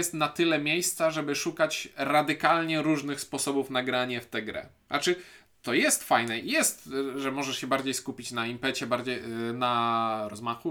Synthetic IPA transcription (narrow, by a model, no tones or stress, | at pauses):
jɛst̪nat̪ɘlɛmʲjejst̪saʐɛbɘʂukat͡ɕɾad̪ɘkalɲɛɾuʐnɘxspɔsɔbufnaɡɾaɲɛft̪ɛɡɾɛ̰a̰t͡ʂɘ | t̪ɔjɛst̪fajnɛijɛst̪ʐɛmɔʐɛʂɕɛbaɾd͡ʑejskupʲit͡ɕnaimpɛt͡ɕɛbaɾd͡ʑejnaɾɔzmaxu